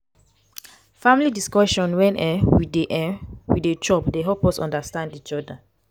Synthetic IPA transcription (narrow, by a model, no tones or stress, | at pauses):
fãmilidiskɔʃɔ̃nwɛ̃nɛwideʔɛwidet͡ʃɔpdeɦɔpɔsɔ̰̃ndastãndit͡ʃɔda